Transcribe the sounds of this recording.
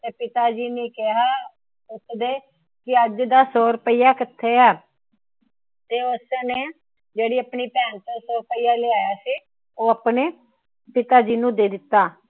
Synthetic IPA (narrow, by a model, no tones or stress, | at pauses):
t̪eːpɪt̪aːd͡ʒiːneːkɪɦaː | ʊt̪ʰd̪eː | kɪəd͡ʒd̪aːsoːɾpəiːaːkɪt̪ʰːeːɛː | t̪eːʊsneː | d͡ʒeːɽiːəpniːpɛːnt̪oːsoːɾpəiːaːleːaːjaːsiː | oːəpneː | pɪt̪aːd͡ʒiːnũːd̪eːd̪ɪt̪ːaː